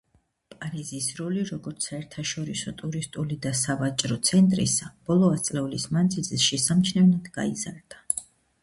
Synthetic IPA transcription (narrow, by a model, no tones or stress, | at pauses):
pʼaɾizisɾɔliɾɔɡɔɾt̪sʰsaɛɾt̪ʰaʃɔɾisɔt̪ʼuɾist̪ʼulid̪asavat͡ʃʼɾɔt̪sʰɛnt̪ʼɾḭsab̥ɔlˠɔast̪sʼlɛulismand̪zilˠzɛʃɛsamt͡ʃʰnɛvnad̪ɡa̰iza̰ɾd̪̥a